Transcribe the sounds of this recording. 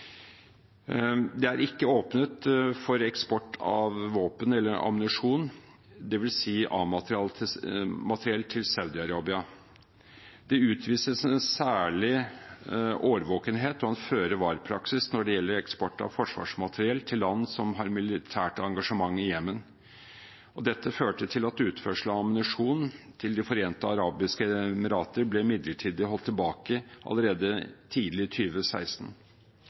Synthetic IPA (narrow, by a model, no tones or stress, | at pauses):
d̪ɛæɾɪkːəoːpnət̪fɔɾɛkspɔʈːɑ̰ʋʋoːpənɛlːəɾɑ̰mnɪʂuːn | d̪ɛʋɪlsiːʔɑ̰ːmɑt̪ɾɪɑl | mɑt̪əɾɪɛlt̪ʰɪlsɑʉd̪ɪɑɾɑːbɪɑ | d̪ɛʉːt̪ʰʋiːsəsɛnsæːɭɪ | ʔoːʋəɾʋoːkənɦeːt̪ɔɛnføːɾəʋɑːɾpʰɾɑksɪsnɔɖɛjɛlːəɾɛkspɔʈːɑ̰ʋfɔʂʋɑ̰ːʂmɑt̪ʰəɾɪɛlt̪ʰɪlːɑnːsɔmɦɑɾmɪlɪt̪ʰæːʈɑŋɡɑʂəmɑŋːɪjɛmːən | ɔd̪ɛt̪ːəføːʈət̪ʰɪlɑt̪ʉːt̪fœʂləɑmənɪʂuːnnt̪ʰɪld̪ɪfɔɾeːnt̪əɑɾɑːbɪskəməɾɑːt̪əɾblɛmɪd̪ləʈʰiːd̪əɦɔlt̪ʰːɪlbɑːkəʔɑ̰lːəɾeːd̪ət̪ʰiːd̪lɪt̪ʰyːʋəsæ̰ɪst̪n̩